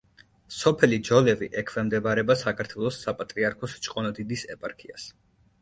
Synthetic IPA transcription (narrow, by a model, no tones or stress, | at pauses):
sɔpʰɛlid͡ʒɔlɛvḭʔɛkʰvɛmd̪ɛbaɾɛbasakʰaɾt̪ʰwɛlˠɔsːapʼat̪ʼɾiaɾkʰɔst͡ʃʼqʼɔnɔd̪id̪isɛpʼaɾkʰia̰s